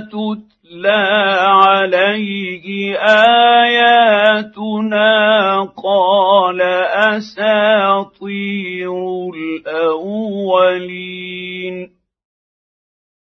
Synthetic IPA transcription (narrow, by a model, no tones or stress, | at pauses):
t̪ʊt̪ | laːʕalajkɪʔaːjaːt̪ʊnaːqɑːlaʔasaːt̪ˤiːɾʊlʔawːaliːn